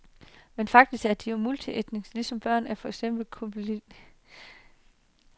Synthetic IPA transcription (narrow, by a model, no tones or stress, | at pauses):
menfɑ̈ɡ̥̚d̥isɡ̥æɐd̥ijo̝mult͡sʰied̥ne̝ŋslisɒ̽mb̥ɶɐ̰næɐfɒ̽eɡ̥sem̰b̥l̩kʰob̥lid